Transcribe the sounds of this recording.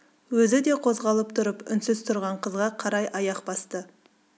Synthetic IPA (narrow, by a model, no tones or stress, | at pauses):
wɵzɪd̪e̞qʰo̞zʁɑlˠəpt̪ʰʊɾəpʏ̰nsɪzt̪ʰʊɾʁɑɴqʰəzʁɑqʰɑɾɑjʔɑjɑqbɑst̪ə